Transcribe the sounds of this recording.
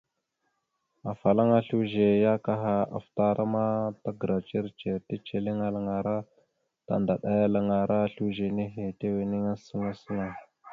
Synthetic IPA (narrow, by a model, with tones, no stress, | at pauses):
a˨fa˨la˦ŋa˦ɬu˦ʒe˨ja˦ka˦ɦa˦a̰˨fta˦ɾʔa˦ma˦ta˦ɡə˨ɾa˨t͡ʃe˦ɾt͡ʃe˨ti˦t͡ʃe˨li˦ŋa˦la˨ŋa˨ɾa˦ | ta̰˨nda˨ɗa˦ja˦la˨ŋa˨ɾa˦ɬu˦ʒe˨ne˦ɦe˨te˦we˨ne˦ŋa˦sə˦ŋa˦sə˦na˨